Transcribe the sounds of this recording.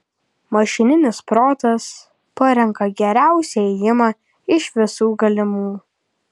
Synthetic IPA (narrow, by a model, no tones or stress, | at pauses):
mɐʃʲɪnʲɪnʲɪspɾoːt̪ɐs | pɐɾʲɛŋkɐɡʲɛɾʲæˑʊsʲɛɛjɪmɑː | ɪʃʋʲɪsuːɡɐlʲɪmuː